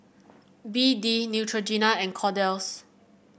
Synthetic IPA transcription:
bidinjutʰɹod͡ʒinaɛ̃nkʰɔdɛls

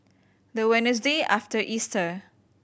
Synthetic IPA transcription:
d̪əwɛnəs̬deʔaftəʔistə

